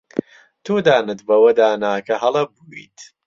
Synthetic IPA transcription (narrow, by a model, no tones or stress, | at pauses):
t̪ʰoːd̪aːnɨt̪bɐwɐd̪aːnaːkɐɦɐlˠɐbuːḭt̪